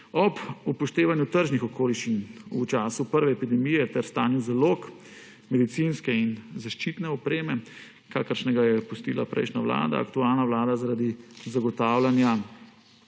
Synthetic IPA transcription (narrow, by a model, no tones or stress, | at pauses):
ɔbupɔʃt̪eːʋanjut̪əɾʒnixɔkoːliʃt͡ʃinut͡ʃaːsupəɾʋɛːpid̪ɛmijɛt̪ɛɾst̪aːniwzalok | mɛd̪it̪sinskɛinzaʃt͡ʃit̪nɛɔpɾeːmɛ | kaːkəɾʃnɛɡajɛpust̪iːla̰pɾʔɛ̰jʃnaʋla̰ːd̪a̰ːkt̪uaːlnawlaːd̪azaɾad̪izaɡɔt̪aːwlanja